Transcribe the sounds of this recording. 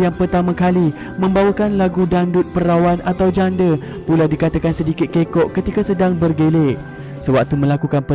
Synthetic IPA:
jaŋpərt̪amãkali | mə̃mbawakanlaɡudandʊt̪̚pəɾawanʔat̪awd͡ʒandə | pulawdikat̪akansədikɪt̪̚kekɔʔkət̪ikasədaŋbərɡeleʔ | səwak̚t̪umə̃lakukanpə

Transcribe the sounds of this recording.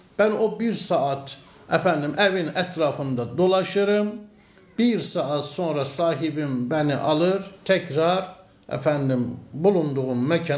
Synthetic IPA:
b̥æno̞biɾsɑɑt̪ | æfænd̪imʔævinæt̪ʰɾɑːfɯnd̪ɑd̪o̞lˠɑʃɯɾɯm | b̥iɾsɑːɑt̪so̞nɾɑsɑːɦibimbæniʔɑlˠɯɾt̪ʰæcʰɾɑɾ | æ̰fænd̪imbulˠund̪uɣummæcʰɑ

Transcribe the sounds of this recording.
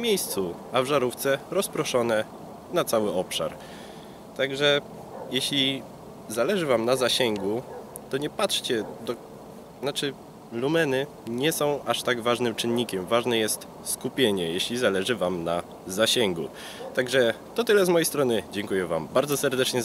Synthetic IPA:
mʲejst̪su | avʐaɾuft̪sɛɾɔspɾɔʂɔnɛ | nat̪sawɘɔpʂa̰ɾ | t̪aɡʐɛ | jɛɕlʲi | zalɛʐɘvamnazaɕɛŋɡu | t̪ɔɲɛpatʂt͡ɕɛd̪ɔ | nat͡ʂɘ | lumɛnɘ | ɲɛsɔ̃w̃aʂt̪aɡvaʐnɘmt͡ʂɘnːikʲɛmvaʐnɛjɛst̪ | skupʲjeɲɛjeɕlʲizalɛʐɘvamna | zaɕɛŋɡṵ | t̪aɡʐɛ | t̪ɔt̪ɘlɛzmɔjejst̪ɾɔnɘd͡ʑɛŋkujɛva̰mbaɾd̪zɔsɛɾd̪ɛt͡ʂɲɛ

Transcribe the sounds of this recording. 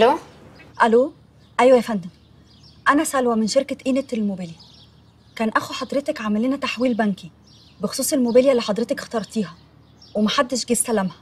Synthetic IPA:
lo | ʔæloː | ʔæjwæjæfænd̪æm | ʔænæsælwæmenʃeɾkeʔiːnet̪elmobæljæ | kæːnʔæxuħɑd̪ˤɾet̪ekʕamæliːnæt̪aħwiːlbænki | bexo̥sˤuːsˤelmobæljælːiħɑd̪ˤɾet̪ekxt̪ɑɾˤt̪iːɦɑ | wemæħad̪ːeʃɡist̪ælæmhæ̥

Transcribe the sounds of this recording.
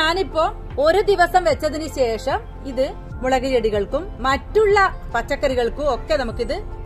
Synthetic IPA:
ɲaːnipːoː | oɾɯd̪iʋɐsɐmʋɛt͡ɕːɐðinɯɕeːʂɐm | iðɯ | mʊɭɐɣɐjɛɽiɣɐɭɯkːɯmːɐʈːɯɭːɐpɐt͡ʃːɐkːɐɾiɣɐɭɯkːɯokːeːnɐmɐkːiðɯ

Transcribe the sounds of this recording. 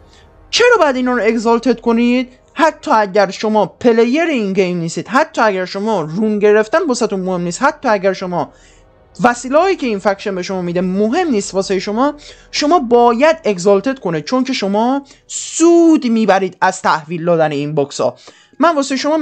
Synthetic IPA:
t͡ʃʰe̞ɾɒːbɒjæd̪iːnɒːɾoe̞ɡzɒlt̪ʰet̪kʰo̞nid̪̥̚ | hæt̪ʰːɒːæɟæɾʃomɒːpʰe̞lejeɾeinɡejmniːst̪iːd̪̥ɦæt̪ʰːɒːæɟæɾʃo̞mɒːrunɟe̞ɾe̞ft̪ænbɒsæt̪unmohe̞mniːst̪hæt̪ʰːɒːæɟæɾʃomɒː | væsiːleːjiːcʰe̞infækʃenbe̞ʃomɒːmid̪emoɦe̞mniːst̪vɒːsejeʃomɒːʃo̞mɒːbɒːjæd̪e̞ɡzɒlt̪ʰet̪̚kʰo̞niːd̪̥̚t͡ʃʰo̞ŋcʰe̞ʃomɒː | suːd̪miːbæɾiːd̪æz̥t̪ʰæhviːld̪ɒːd̪æneinbɒːksɒ̰ː | mænvɒːsejeʃomɒː

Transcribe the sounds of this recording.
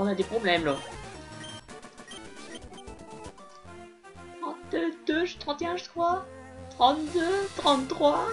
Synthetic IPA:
ɔ̃nad̪epχɔblɛmlɔ | t̪χɑ̃t̪d̪øʒət̪χɑ̃t̪eɛ̃ʒəkχwat̪χɑ̃t̪d̪øt̪χɑ̃t̪t̪ːχwa

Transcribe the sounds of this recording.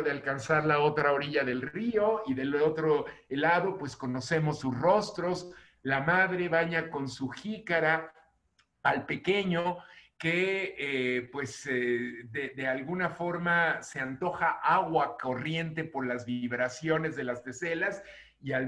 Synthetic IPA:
ðealkansaɾlao̞t̪ɾao̞ɾiʝaðe̞lrio̞iðe̞lo̞t̪ɾolaðo̞pwe̞sko̞no̞se̞mo̞sːusro̞st̪ɾo̞s | lamaðɾe̞βaɲako̞nsuxikaɾaː | lpe̞ke̞ɲoke̞epwe̞sedeðe̞alɣunafo̞ɾmase̞ant̪o̞xaʔaɣwako̞rje̞nt̪e̞po̞ɾlazβiβɾasjo̞ne̞zðe̞last̪e̞se̞las | ial

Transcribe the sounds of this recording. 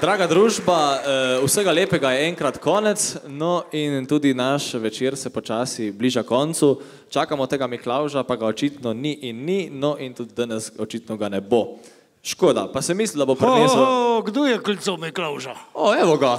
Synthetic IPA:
d̪ɾaːɡad̪ɾuːʒbausəɡaleːpɛɡajɛɛŋkɾat̪kʰɔːnɛt̪snɔint̪uːd̪inaʃʋɛt͡ʃeɾsɛpɔt͡ʃaːsibliːʒakɔnt̪su | t͡ʃaːkamɔt̪eːɡamiklawʒapaɡaɔt͡ʃiːt̪nɔniʔinːinɔʔint̪uːd̪̚d̪ənɛsɔt͡ʃit̪nɔɡanɛbo | ʃkoːd̪a̰pasɛmiːslid̪abopɾɛneːsuɡd̪oːjɛkulʲt̪somiklawʒaoɛʋɔɡa

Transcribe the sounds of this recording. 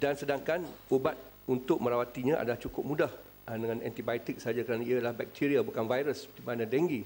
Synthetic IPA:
dansədaŋkanubat̪̚ | unt̪ʊk̚mə̃ɾawat̪iɲãʔa̰dalaht͡ʃukʊp̚mũdah | dəŋãnɛ̰nt̪ibajt̪ɪk̚sad͡ʒakəɾanãialahbɛk̚t̪ʰiɾiabukanvajɾəsdimãnãdɛŋɡi

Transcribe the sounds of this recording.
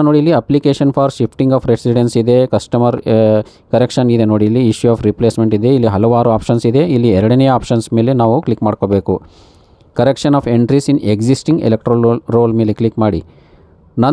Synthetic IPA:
noːɽiilːiɐplikeːʃɐnpʰaːɾʃipʰʈiŋɡaːpʰɾesiɖensid̪e̞kɐsʈɐmɐɾ | kɐɾekʂɐnid̪e̞noːɽiːlːiiʃjuaːpʰɾipleːsme̞ɳʈid̪e̞ilːiɦɐlɐʋaːɾuaːpʂɐnsid̪e̞ilːiɛɾɐɽɐnejɐaːpʃɐnsme̞ːlenaːʋuklikmaːɖkobeːku | kɐɾekʂɐnaːpʰeɳʈɾisineɡd͡ʒisʈiŋɡḛlek̚ʈɾɐlɾoːlmeːleklikmaːɽḭ | nɐn

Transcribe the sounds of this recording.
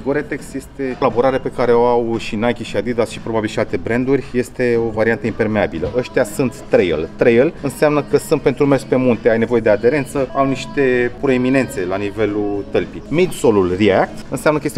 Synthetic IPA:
ɡoɾet̪eksje̞st̪e̞laboɾaɾeape̞kaɾe̞o̞awʃinajkʲiʃiad̪id̪asʃi̥pɾo̞babilʃialt̪e̞bɾend̪urʲje̞st̪e̞o̞vaɾiant̪əimpe̞rme̞abiləʔəʃt̪ijasunt̪ːɾejə̰lt̪ɾejəlɨnseamnəkəsunt̪̚pe̞nt̪ɾumerspe̞munt̪e̞ajne̞vo̞jed̪e̞ad̪e̞ɾe̞nt̪səawniʃt̪e̞pɾoemine̞nt̪se̞lanive̞lut̪əlpimid̪solulriak̚t̪ɨnseamnəkəjest̪e

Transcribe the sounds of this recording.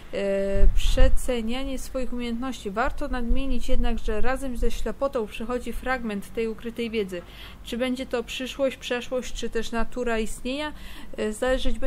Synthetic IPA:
pʂɛt̪sɛɲaɲɛsfɔjixumʲjejɛnt̪nɔɕt͡ɕivaɾt̪ɔnad̪mʲjeɲit͡ɕjɛd̪naɡʐɛɾazɛmzɛɕlɛpɔt̪ɔ̃w̃pʂɛxɔd͡ʑifɾaɡmɛnt̪ːɛjukɾɘt̪ɛjvʲjɛd̪zɘ | t͡ʂɘbɛɲd͡ʑɛt̪ɔpʂɘʂwɔɕt͡ɕpʂɛʂwɔɕt͡ɕt͡ʂɘt̪ɛʂnat̪uɾaist̪ɲeɲazalɛʐɘd͡ʑb

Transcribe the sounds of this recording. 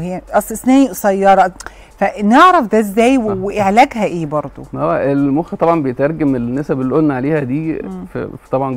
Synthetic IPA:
hʔɑsˤesnæːisˤæjːɑɾˤɑ | fæneʕɾæfd̪æezːæːjweweʔeʕlæɡhæʔeːbɑɾˤd̪ˤo̰hoæʔelmoxæt̪ˤɑbʕɑnbejet̪ʔɑɾˤɡæmelnːesæbelʔod̪nʕaleːhæd̪iːft̪ˤɑbʕɑn

